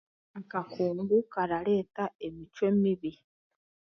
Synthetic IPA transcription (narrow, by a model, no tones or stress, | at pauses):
akakuːŋɡukaɾale̞ːtae̞mit͡ʃwe̞miβi